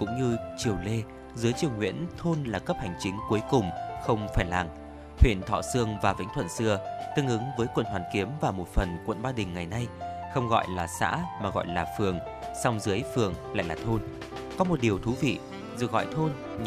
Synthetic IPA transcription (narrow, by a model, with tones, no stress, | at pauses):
kʊ̰˧˥ŋ͡mɲɨ˧t͡ɕi˨˩əwle˧ | zɨ˨˦əjt͡ɕi˨˩əwŋwḭ˧˥ənt̪ʰo˧nlaː˨˩kə˦˥p̚ha˨˩jŋ̟t͡ɕï˨˦ŋ̟ku˨˦əjkʊ˨˩ŋ͡mxə˧wŋ͡mfaː˧˩jla˨˩ŋ | thʰwḭ˧˨ənt̪ʰɔ̰˧˨sɨ˧əŋvaː˨˩vḭ˧˥ŋ̟t̪ʰwə̰˧˨nsɨ˧ət̪ɨ˧ŋʔɨ˨˦ŋvəː˨˦jkwə̰˧˨nhwaː˨˩nki˨˦əmvaː˨˩mo˨˩t̚fə˨˩nkwə̰˧˨nɓaː˧ɗï˨˩ŋ̟ːa˨˩jna˧jxə˧wŋ͡mɣɔ̰˧˨jlaː˨˩sa̰ː˧˥maː˨˩ɣɔ̰˧˨jlaː˨˩fɨ˨˩əŋ | sa˧wŋ͡mzɨ˨˦əjfɨ˨˩əŋla̰ː˧˨jlaː˨˩t̪ʰo˧n | kɔ˨˦mo˨˩t̚ɗi˨˩əwt̪ʰu˨˦vḭ˧˨ | zɨ˨˩ɣɔ̰˧˨jt̪ʰo˧n